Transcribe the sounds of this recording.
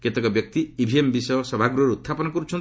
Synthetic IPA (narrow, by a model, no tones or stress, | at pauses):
ket̪ekɔbjɔk̚t̪iibʱiembisɔjɔsɔbʱaɡɾuɔɾut̪ːʰapɔnɔkɔɾut͡ʃʰɔn